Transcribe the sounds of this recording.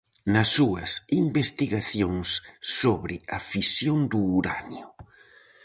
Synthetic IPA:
nɐsːuɐsimbest̪iɣaθjoŋsːoβɾɪɐfisjond̪uːɾanjʊ

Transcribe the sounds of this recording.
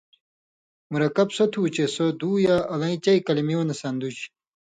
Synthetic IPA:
muɾɐkɐbsɐt̪ʰuːt͡ɕesod̪uːjaʔɐlɐ̃ĩt͡ɕɐikɐlimionɐsɐnd̪ut͡ɕ

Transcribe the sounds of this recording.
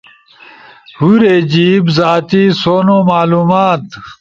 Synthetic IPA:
huɾeːd͡ʑiːbzaːt̪isoːnoːmaːluːmaːt̪

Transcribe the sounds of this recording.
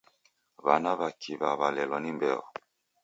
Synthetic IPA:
βanaβakʰiβaβalɛlɔnimbɛɔ̰

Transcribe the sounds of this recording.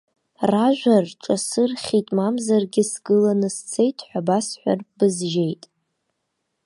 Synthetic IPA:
raʒᶣʷarʈ͡ʂʼasɨrχʲitʼmamzarɡʲɪsɡɨlanɨst͡sʰejtʰħʷᶣabasħʷᶣa̰rbɨzʒe̞jtʼ

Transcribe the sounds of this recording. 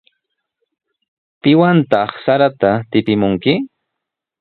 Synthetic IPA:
pɪwant̪ɑχsaɾat̪at̪ɪpɪmʊŋkɪ

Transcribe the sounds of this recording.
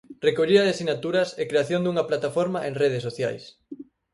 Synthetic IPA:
rekoʎiðɐðasinat̪uɾɐsekɾeaθjond̪uŋɐplat̪afoɾmaʔeŋreð̞esːoθja̰js

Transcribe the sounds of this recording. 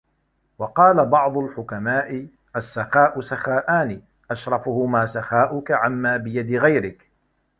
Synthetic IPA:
wɑqɑːlabɑʕd̪ˤʊlħʊkamaːʔɪ | ʔasːaxaːʔʊsaxaːʔaːni | ʔaʃɾˤɑfʊhʊmaːsaxaːʔʊkaʕamːaːbɪjad̪ɪɣajɾɪk

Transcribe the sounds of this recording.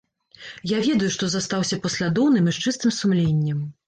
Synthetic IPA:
javʲɛd̪ujuʂt̪ɔzast̪awsʲɐpɐsʲlʲad̪ɔwnɨmiʂt͡ʂɨst̪ɨmsumlʲenʲːɛm

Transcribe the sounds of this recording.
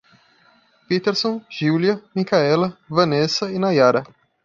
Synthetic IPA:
pit̪eɾsõʒiwliɐmikaɛlɐvɐ̃nesɐinajaɾɐ

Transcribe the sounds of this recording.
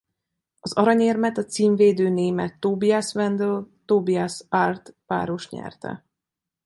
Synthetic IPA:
ɒzɒɾɒɲeːrmɛt̪ɒt̪siːɱveːd̪øːneːmɛt̪ːoːbiasvɛnd̪ølt̪oːbiasart̪ʋa̰ːɾo̞ʃɲɛ̰rt̪ɛ̰

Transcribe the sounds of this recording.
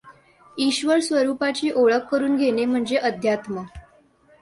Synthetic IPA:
iɕʋəɾsʋəɾupat͡ɕiːʔoɭəkːəɾuːnɡʱenem̤əɳd͡zeʔəd̪ʱjat̪mə

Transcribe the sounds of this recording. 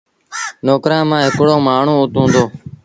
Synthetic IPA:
noːkɾãːmãːɦɪkɽoːmaːɳ̤ũːʊt̪ũːnd̪oː

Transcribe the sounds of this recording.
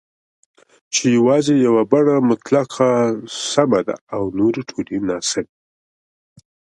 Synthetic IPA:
t͡ʃejawɑzejawabaɽamʊt̪laqʰasamad̪a̰ːwnoɾeʈʰolenɑsɪb

